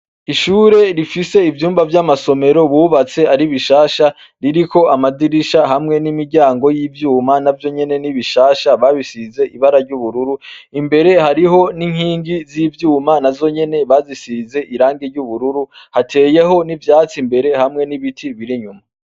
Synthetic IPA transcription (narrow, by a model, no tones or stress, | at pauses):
iʃuːɾe̞ɾifise̞ivjuːmbavjamaso̞me̞ɾo̞βuːβat͡se̞aɾiβiʃaːʃa | ɾiɾiko̞amadiɾiʃaɦamŋe̞nimiɾɟaːŋɡo̞jiːvjuːmanavjo̞ɲe̞ne̞niβiʃaːʃaβaβisize̞ʔiβaɾaɾɟuβuɾuɾuimbe̞ɾe̞haɾiɦo̞niŋ̥hiːŋɡizivjuːmanavzo̞ɲe̞ne̞βaːzisize̞ʔiɾaːŋɡeɾɟuβuɾuɾuhatʰe̞ːje̞ɦo̞nivjaːt͡simbe̞ɾe̞hamŋe̞niβitʰiβiɾiɲuma